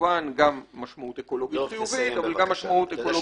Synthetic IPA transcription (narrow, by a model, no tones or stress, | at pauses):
anɡamːaʃmaut̪e̞ko̞lo̞ɡit̪χijuvit̪avalɡamːaʃmaut̪ekolo